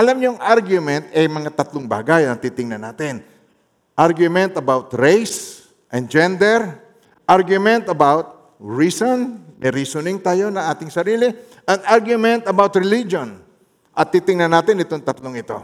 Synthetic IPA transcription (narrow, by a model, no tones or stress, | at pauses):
ʔɐlamɲoŋʔaɾɡjʊmɛnt̪ɐjmɐŋat̪ɐt̪lʊŋba̰ːɡajɐt̪iːt̪ɪŋnɐnaːt̪ɪn | ʔaɹɡjʊmɛnt̪ɐbawt̪ɹejs | ʔɐnd͡ʒɛnd̪ɛɾ | ʔaɹɡjʊmɛ̃nt̪ɐbawt̪̚ | ɹisonmɛɾisʊnɪŋt̪aːjo̞nɐŋʔaːt̪ɪŋsɐɾiːlɪ | ʔɐnʔaɾɡjʊmɛ̃nt̪ɐbawt̪ɹɪlid͡ʒon | ʔɐt̪ːit̪ɪŋnɐnːaːt̪ɪnɪt̪oŋt̪ɐt̪loŋɪt̪o̞̰